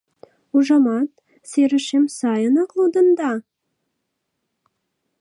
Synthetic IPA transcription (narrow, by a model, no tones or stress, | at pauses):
uʒɑmɑt̪̚ | seɾɘ̆ʃemsɑjɤnɑklˠud̪ɤ̆nd̪ɑ